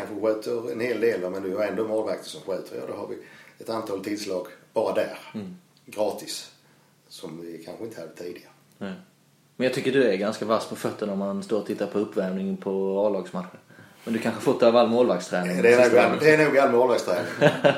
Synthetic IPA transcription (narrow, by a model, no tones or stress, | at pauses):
kʰanɧəɧøːt̪ʰəɾɛ̰nheːld̪eːld̪mɛnd̪ɵjəɾɛnd̪omoːlvak̚t̪ʰəsɔmɧøːt̪ʰəɾjɑ̰ːd̪ɔ̰ha̰vɪ̰ɛt̪ant̪ʰɑːlt̪ʰɪlslɑːɡb̥ɑːɾad̪æːɾ | ɡɾɑːt̪ɪs | sɔmvɪkʰanɧəɪnt̪əhad̪ət̪ʰiːd̪ɪɡaɾənɛ | mɛnjɑt̪ʏkːəɖɵæɾɡanskavaspʰɔfœt̪ːəɳɔmanst̪oːɾɔt̪ʰɪt̪ːaɾpʰɔɵpːvæɾmnɪŋpʰɔɑːlɑːɡsmat̪ɧən | mɛnd̪ɵkʰanɧəhfʊt̪ʰːøːvɾalːmoːlvak̚st̪ʰɾɛːnɪŋːd̪ɛɛnuːɡalːmoːlvakst̪ʰɾɛːnɪŋ